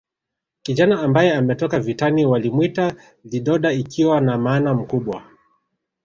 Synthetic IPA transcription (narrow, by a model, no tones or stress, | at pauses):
kiʄanaːmbajɛamɛtɔkavitaniwalimwita | liɗɔɗaikʰiwanamaːnam̩kuɓwa̰